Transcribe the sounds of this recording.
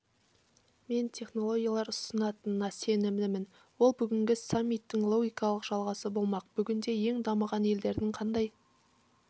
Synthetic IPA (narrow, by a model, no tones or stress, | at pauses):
me̞nt̪ʲʰe̞χno̞lˠo̞ɡʲijɑlˠɑɾʊsənɑt̪ənnɑse̞nɪmnɪmɪn | wo̞lˠbʏɡʲɪŋɡʲɪsamʲːit̪ːɪŋlˠoɡʲijkɑlˠəqʒ̥ɑlˠʁɑsəbo̞lˠmɑqbʏɡʲɪnd̪e̞je̞ŋd̪ɑməʁɑne̞ld̪e̞ɾd̪ɪŋqʰɑnd̪ɑj